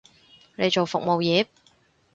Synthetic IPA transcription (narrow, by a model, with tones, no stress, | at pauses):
ne˨˧jt͡ʃo˨wfʊ˨k̚mo˨wjɛː˨˧